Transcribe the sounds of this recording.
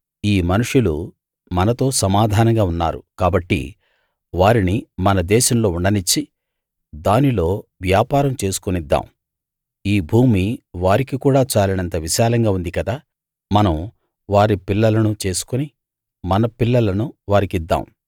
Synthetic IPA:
iːmɐnuʂulu | mɐnɐt̪o̞ːsɐmaːd̪ʱaːnɐŋɡaːunːa̰ːɾṵkaːbɐʈːḭ | ʋaːɾinimɐnɐd̪ɛːʃɐmlo̞ːuɳɖɐnit͡ʃːi | d̪aːnilo̞ːʋjaːpaːɾɐmt͡ʃe̞ːsu̥kunid̪ːa̰ːm | iːbʱuːmiʋaːɾikikuːɽaːt͡ʃaːlɐnɐnt̪ɐʋiʃaːlɐŋɡaːund̪ikɐd̪aː | mɐnɐm | ʋaːɾipilːɐlɐnut͡ʃe̞ːsu̥kuni | mɐnɐpilːɐlɐnuʋaːɾikid̪ːa̰ːm

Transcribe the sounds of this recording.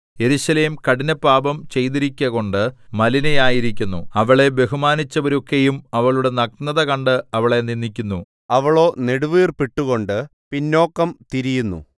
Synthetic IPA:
je̞ɾuɕɐle̞ːmkɐɽinɐpːaːbɐmt͡ɕe̞jt̪iɾikʲːɐɣo̞ɳɖɨmɐlinɐjaːjiɾikʲːunːuɐʋɐɭe̞be̞ɦumaːnit͡ɕːɐʋɐɾokːejumɐʋɐɭuɽe̞nɐk̚nɐðɐkɐɳɖɨɐʋɐɭe̞ninːikʲːunːu | ɐʋɐɭo̞ːne̞ɽuʋiːrpiʈːuɣo̞ɳɖɨpinːo̞ːkːɐmt̪iɾijunːṵ

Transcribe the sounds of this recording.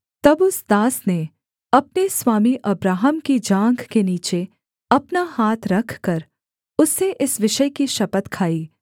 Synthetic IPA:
t̪ɐbʊsd̪aːsne | ɐp̚neswaːmiʔɐbɾaːɦəmkid͡ʒãːŋɡkeniːt͡ʃe | ɐpnahaːt̪ʰɾɐkʰkɐɾ | ʊsːeʔɪsʋɪʃəjkiʃɐpət̪kʰaːiː

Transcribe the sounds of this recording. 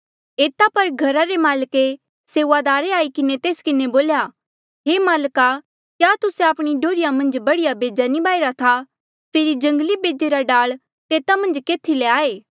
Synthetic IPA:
eːt̪apɐɾɡʱɐɾaɾemaːlke | seːʋad̪aːɾeaːikɪnet̪eːskɪneboːlja | ɦeːmaːlka | kjaːt̪ʊseaːpɽ̃iɖoːɾɪjamɐ̃nd͡ʒbɐɽɪjabeːd͡ʒanibaːiɾat̪ʰa | pʰeːɾid͡ʒɐ̃ŋɡlibeːd͡ʒeɾaɖaːɭ | t̪eːt̪amɐ̃nd͡ʒkeːt̪ʰileaːeː

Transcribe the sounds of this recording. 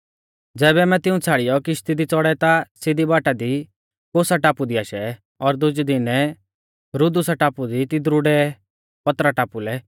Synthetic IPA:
d͡zɛːbɛmɛ̃t̪ɪũt͡sʰaːɽɪjɔkɪʃt̪id̪it͡sɔɽɛt̪asɪd̪ibaːʈad̪i | koːsaʈaːpud̪iaːʃɛ | ɔɾd̪ʊd͡ʒd̪ɪnɛ | ɾʊd̪usaʈaːpud̪it̪ɪd̪ɾʊɽɛ | pɐt̪ɾaʈaːpulɛ

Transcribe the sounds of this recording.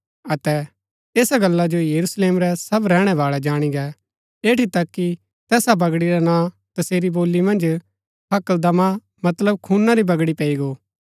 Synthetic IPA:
ɐt̪ɛ | eːsaɡɐlːad͡ʒojɐɾusleːmɾɛsɐbɾɛːɽ̃ɛʋaːɭɛd͡ʒaːɽ̃iɡɛ | eːʈit̪ɐkːi | t̪ɛːsabɐɡɽiɾanãː | t̪ɐseːɾiboːlːimɐ̃nd͡ʒ | ɦɐkəld̪ɐma | mɐt̪ləb̚kʰuːnːaɾibɐɡɽipɛːiɡoː

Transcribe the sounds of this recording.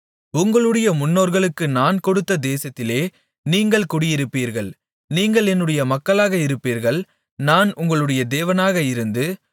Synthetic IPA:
ʊŋɡɐɭɯɽɐjɐmʊnːoːɾɣɐɭɯkːɯnaːnkɔɽɯt̪ːɐd̪eːsɐt̪ːɪleː | niːŋɡɐɭkʊɽɪjɪɾɯpːiːɾɣɐɭ | niːŋɡɐɭɛnːɯɽɐjɐmɐkːɐɭaːɣɐɪɾɯpːiːɾɣɐɭ | naːnʊŋɡɐɭɯɽɐjɐd̪eːʋɐnaːɣɐɪɾɯnd̪ɯ

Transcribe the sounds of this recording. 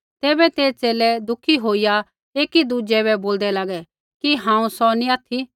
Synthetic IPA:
t̪ɛːbɛt̪eːt͡ʃeːlɛd̪ʊkʰiɦoːija | eːkid̪ud͡ʒɛβɛboːld̪ɛlaːɡɛ | kiɦãːũsɔnĩaːt̪ʰi

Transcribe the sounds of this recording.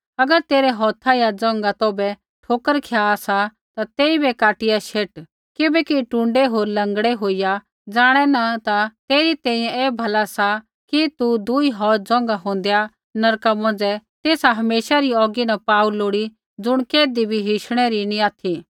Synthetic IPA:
ɐɡəɾt̪eːɾɛɦɔːt̪ʰajad͡zɔ̃ːŋɡat̪oːbɛ | ʈʰoːkəɾkʰjasa | t̪at̪eːibɛkaːʈɪjaʃeːʈ | kɪbɛkiʈũːɳɖɛɦoːɾlɐ̃ŋɡɽɛɦoːija | d͡zaːɽ̃ɛnat̪at̪eːɾit̪ɛ̃ːĩːjɛ̃ɛːbʱɐlasa | kit̪ud̪uiɦɔːɾd͡zɔ̃ːŋ̆ɡaɦõːnd̪ja | nɐɾkamɔ̃nd͡zɛt̪eːsaɦɐmeːʃaɾiɔːɡinapaːuloːɽi | d͡zʊɽ̃keːd̪ibʱiɦɪʃɽ̃ɛɾinĩaːt̪ʰi

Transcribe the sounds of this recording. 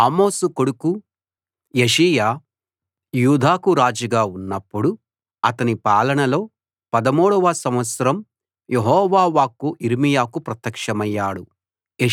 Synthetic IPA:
aːmo̞ːsukoɽuku | jeʂiːjaː | juːd̪ʱaːkuɾaːd͡ʒɐɡaːunːɐpːuɽu | ɐt̪ɐnipaːlɐɳɐlo̞ː | pɐd̪ɐmoːɽɐʋaːsɐmʋɐt̪sɐɾɐm | jeɦɔːʋaːʋaːkuʔiɾimijaːkupɾɐt̪ːɐkʂɐmɐjːaːɽu | e

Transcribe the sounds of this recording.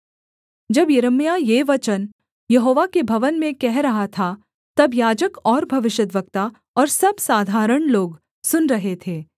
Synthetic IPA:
d͡ʒɐbjɐɾəmijajeʋɐt͡ʃən | jɐɦoːʋakebʱɐʋənmẽkɛɦɾɐɦat̪ʰa | t̪ɐbjaːd͡ʒəkɔːɾbʱɐʋɪʃət̪ʋək̚t̪a | ɔːɾsɐbsaːd̪ʱaːɾəɽ̃loːɡ | sʊnɾɐɦet̪ʰeː

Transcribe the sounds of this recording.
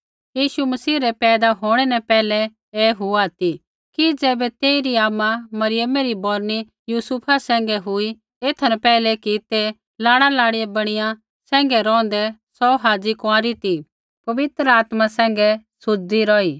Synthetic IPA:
jiːʃumɐsiːɾɛpɛːd̪aɦoːɽ̃ɛnɛpɛːlɛ | eɦuat̪i | kid͡zɛːbɛt̪eːiɾiaːmamɐɾɪjəmɛɾibɔːɾni | juːsupʰasɛ̃ːŋ̆ɡɛɦui | eːt̪ʰɐnɛpɛːlɛkit̪e | laːɽ̃alaːɽijɛbɐɽ̃ɪjã | sɛ̃ːŋɡɛɾɔ̃ːn̆d̪ɛsɔːɦaːd͡zikʊãːɾit̪i | pɐʋɪt̪ɾəaːt̪masɛ̃ːŋ̆ɡɛsʊd͡ʒd̪iɾɔːiː

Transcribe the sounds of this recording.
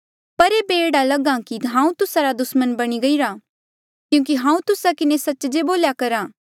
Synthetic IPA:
pɐɾeːbeːɽalɐɡãkiɦãːũt̪ʊsaɾad̪ʊsmənbɐɽ̃iɡɐiɾaː | kjũːk̬iɦãːũt̪ʊsakɪnesɐtːt͡ʃd͡ʒeboːljakɐɾãː

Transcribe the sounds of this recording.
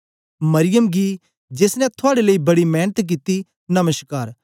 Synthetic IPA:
mɐɾɪjəmɡi | d͡ʒeːsnɛ̃t̪ʰʊaːɽeləibɐɽimɛːnət̪k̬it̪i | nɐməʃkaːɾ

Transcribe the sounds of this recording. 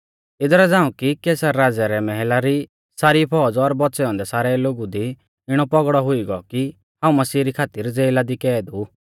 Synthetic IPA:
ɪd̪ɔɾɛd͡zãːũkikɛːsaɾːaːd͡zɛɾɛmɛɦɛlaɾi | saːɾipʰɔd͡zɔɾbɔtːsɛɔ̃nd̪ɛsaːɾɛloːɡud̪i | ɪɽ̃ɔpɔɡɽɔɦʊiɡɔki | hãːũmɐsiːɾikʰaːt̪ɪɾd͡zeːlad̪ikɛːd̪u

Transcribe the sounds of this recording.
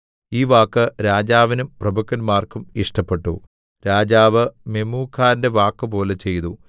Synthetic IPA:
iːʋaːkːɨɾaːd͡ʑaːʋinumprɐbʱukːɐnmaːrkumiʂʈɐpːe̞ʈːṵ | ɾaːd͡ʑaːʋɨmemuːkʰːaːɾnde̞ʋaːkːɨpo̞ːle̞t͡ɕe̞jt̪u

